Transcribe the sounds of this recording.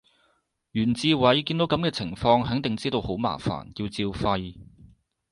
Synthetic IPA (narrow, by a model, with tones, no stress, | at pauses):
jyː˨˩nt͡siː˧wɐ˨˥jkiː˧nt̪o˨˥wkɐ˨˥mkɛː˧t͡sʰɪ˨˩ŋfɔː˧ŋɦɐ˨˥ŋt̪ɪ˨ŋt͡siː˥t̪o˧who˨˥wma̰ː˨˩fa̰ː˨˩nji˧wt͡siː˧wfɐ˧j